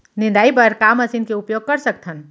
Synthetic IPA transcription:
nɪ̃nd̪aːipɐɾkaːmɐsinkeʊpjoːɡ̚kɐɾsək̚t̪ʰən

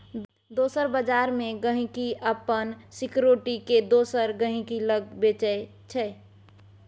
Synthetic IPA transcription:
d̪oːsəɾbəd͡ʒaɾmẽɡəɦĩkiʔəpənsikɾoʈiked̪oːsəɾɡəɦĩkiləɡ̚bet͡ʃəe | t͡ʃʰɛ

